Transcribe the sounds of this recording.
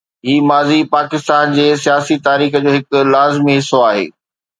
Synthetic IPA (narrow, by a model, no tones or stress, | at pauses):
ɦiːmaːzipaːkɪst̪aːnd͡ʑeːsijaːsit̪aːɾiːxə̆d͡ʑoːɦɪkʊ̆laːzmiɦɪsːoaːɦḛː